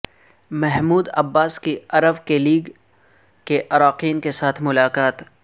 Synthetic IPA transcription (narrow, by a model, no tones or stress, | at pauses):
mɛɦmuːd̪ɐ̰bːaːskiɐɾəbkeliːɡ | keʔɐɾaːqiːnkesaːt̪ʰmʊlaːqaːt̪